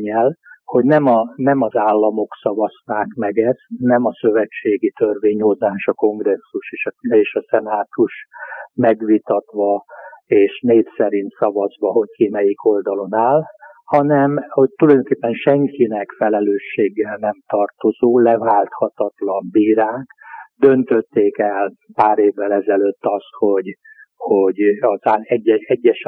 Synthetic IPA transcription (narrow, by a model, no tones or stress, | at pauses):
ɲːɛlho̞ɟnɛmɒnɛmɒzaːlːɒmo̞ksɒvɒsnaːkmɛɡɛsnɛmɒsøvɛt͡ʃːeːɡit̪ørveːɲho̞zaːʃɒko̞ŋɡrɛsːuʃeːʃeːʃɒsɛnaːt̪uʃmɛɡʋit̪ɒt̪ʋɒeːʃneːfsɛɾint̪sɒvɒzʋɒɦo̞ckimɛjiko̞ld̪ɒlo̞naːlhɒnɛmho̞c̚t̪ulɒjd̪oŋkeːpːɛnʃɛŋkinɛkfɛlɛløːʃːeːɡːɛlnɛmt̪ɒrt̪o̞zoːlɛvaːlt̪hɒt̪ɒt̪lɒmbiːɾaːkd̪ø̞nt̪øt̪ːeːkɛl | paːɾeːvːɛlɛzɛløːt̪ːɒst̪ho̞ɟ | hoɟɒzaɛɟːɛɛɟːɛʃ